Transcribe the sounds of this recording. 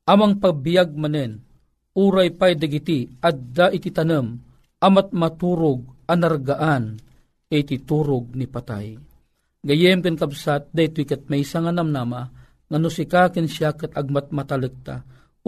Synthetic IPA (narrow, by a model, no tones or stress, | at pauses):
ʔamaŋpaɡ̚bijaɡ̚manɛn | uːɾajpajd̪aɡit̪iad̪d̪aʔit̪it̪anəm | ʔamat̪̚mat̪uɾʊɡ̚anaɾɡaʔan | et̪it̪uɾʊɡ̚nipat̪a̰j | ɡajɛmkankabsat̪̚d̪ait̪uikat̪̚majsaŋanamnama | ŋanusikakɨnʃjakat̪aɡ̚mat̪̚mat̪alək̚t̪a̰